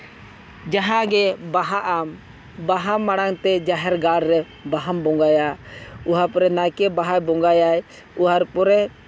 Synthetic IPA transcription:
d͡ʒaɦãɡɛbaɦaʔam | baɦamːaɽ̃aŋt̪ɛd͡ʒaɦɛɾɡaɾɾɛ | baɦambɔŋɡajauɦapɔɾɛnajkɛbaɦajbɔŋɡajaj | uɦaɾpɔɾɛ

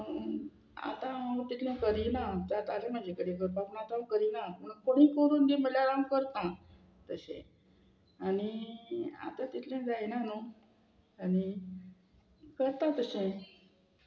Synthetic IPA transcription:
a̰t̪ãat̪it̪ʰlẽkəɾinat̪at̪alem̤əd͡ʑekəɽikəɾpaʋnat̪ãkəɾinapəɳkoɽ̃iːkəɾuːnd̪em̤əljaɾamkəɾt̪ã | t̪əɕḛ̃ | aɽ̃i | a̰t̪ãt̪it̪ʰlẽd͡zajnano | aɽi | kəɾt̪at̪əɕẽ

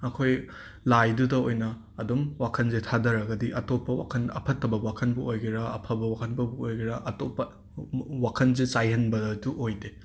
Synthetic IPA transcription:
ɐkʰoj | lajdudɐojnɐ | ɐdumwakʰɐnzetʰadɐɾɐɡɐdiʔɐtopːɐwa̰kʰɐnɐ̰pʰɐtʰːɐbɐkwakʰɐnbuojɡiɾɐɐpʰɐbɐwakʰɐnbɐbuojɡiɾɐʔɐtopːɐ | wakʰɐnzesajɦɐnbɐduʔojde

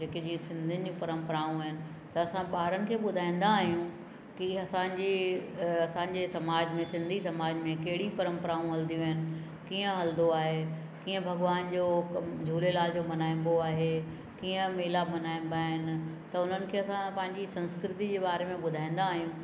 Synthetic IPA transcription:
d͡ʑɐked͡ʑiːə̃sɪ̃nd̪ʱɪnɪ̆d͡ʑũpɐɾə̃mpəɾaːũɦɪnɪ̆ | t̪ɐːsãɓaːɦɾənɪ̆kʰeːɓʊd̪ʱaːĩn̆d̪aːɦijũ | kiɐsãɲd͡ʑe | ɐsãɲd͡ʑeːsɐmaːd͡ʑmẽsɪ̃nd̪ʱisɐmaːd͡ʑmẽkɐɦɪɽipɐɾə̃mpəɾaːũɦɐld̪ʱijũɦɪnɪ̆ | kiːə̃ɦɐld̪oaːɦe | kiːə̃bʱɐɡʋaːnd͡ʑoːkd͡ʑʱuːlelaːld͡ʑoːmɐnaːĩm̆b̪oaːɦe | kiːə̃meːlamɐnaːĩn̆d̪aːɦɪnɪ̆t̪ɐʊn̤ənɪ̆kʰeːɐsãpɐ̃ɦɪ̃ɲd͡ʑisɐ̃nskɾɪt̪id͡ʑeːɓaːɾemẽɓʊd̪ʱaːĩn̆d̪aːɦijũ

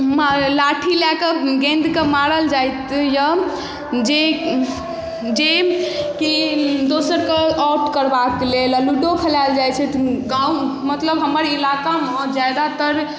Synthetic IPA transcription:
malaʈʰilakəɡẽnd̪kemaɾəld͡ʒajt̪jə | d͡ʒe | d͡ʒekid̪osəɾkeɔʈkəɾbaklelaluɖopʰelald͡ʒajt͡ʃʰɛt̪ɡãumət̪ləbɦəməɾilakamɔd͡ʒad̪at̪əɾ

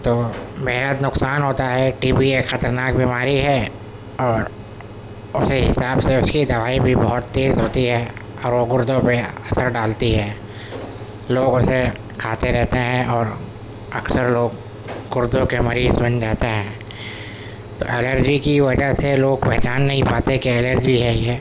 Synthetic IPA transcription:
t̪oːbeːɦɦəd̪nʊqsaːnɦoːt̪aɦɛʈiːbiexɐt̪əɾnaːkbʱiːmaːɾiɦɛ | ɔːɾ | ʊseɦɪsaːbseʊskid̪ɐʋaːibʱibɔɦʊt̪ːeːzɦoːt̪iɦɛː | ɔːɾʋoɡʊɾd̪ʱõpeɐsəɾɖaːlt̪iɦɛː | loːɡʊse | kʰaːt̪eɾɛɦt̪eɦɛ̃ʔɔːɾ | ɐksəɾloːɡ | ɡʊɾd̪õkemɐɾiːzbɐ̃nd͡ʒaːt̪eɦɛ̃ː | t̪o̰ːʔɛləɾd͡ʒikiʋɐd͡ʒəɦseloːɡ̚pɛɦt͡ʃaːnːɐɦĩpaːt̪ekiɛːləɾd͡ʒbʱiɦɛjɛː

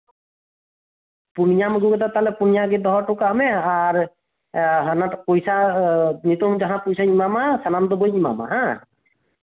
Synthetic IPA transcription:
punijamɡuɡɛt̪at̪alɛpunijaɡid̪ɔɦɔʈʊkamɛaɾ | ɦanapɔjsanit̪ɔmd͡ʒaɦãpɔjsaimamasanamd̪ɔbojima̰ma̰ɦã

